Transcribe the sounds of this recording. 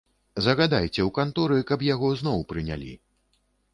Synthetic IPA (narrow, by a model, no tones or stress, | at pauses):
zɐɣad̪ajt͡sʲɛwkant̪ɔɾɨkɐpjaɣɔznɔwpɾɨnʲa̰lʲḭ